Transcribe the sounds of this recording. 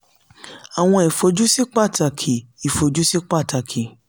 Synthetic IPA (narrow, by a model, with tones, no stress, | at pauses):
a˨w̃ɔ̃˧i˨fo˧d͡ʒu˦si˦k͡pa˦˨ta˧˨kʰi˨i˨fo˨d͡ʒu˦si˦k͡pa˦˨ta˧kʰi˨